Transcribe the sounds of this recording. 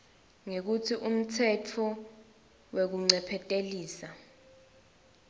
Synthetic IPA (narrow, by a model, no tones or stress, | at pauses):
ŋek̬utʰiʔum̩tʰɛtʰɔ | wek̬uŋ͡ǀɛpʰɛtʼeliːsa